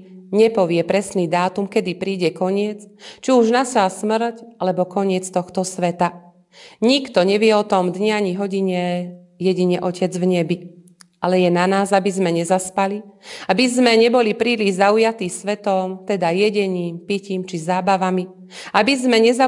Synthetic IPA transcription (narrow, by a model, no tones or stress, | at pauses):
ɲɛpɔʋɪɛpɾɛsniːd̪aːt̪umkɛd̪ipɾiːɟɛkɔɲɪɛt͡st͡ʃiuʒnasasmr̩calɛbɔkɔɲɪɛt͡st̪ɔxt̪ɔsʋɛt̪a | ɲikt̪ɔɲɛʋɪɛɔt̪ɔmd̪ɲɛaɲiɦɔɟiɲɛ | jɛɟiɲɛʔɔcɛd͡zvɲɛbi | alɛjɛnanaːzabizmɛɲɛzaspaliabizmɛɲɛbɔlipɾiːliʒzaujat̪iːsʋɛt̪ɔmt̪ɛd̪ajɛɟɛɲiːmpiciːmt͡ʃizaːbaʋami | abizmɛɲɛza